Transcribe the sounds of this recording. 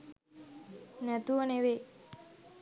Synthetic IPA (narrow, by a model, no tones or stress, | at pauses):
nɛt̪uʋəneʋe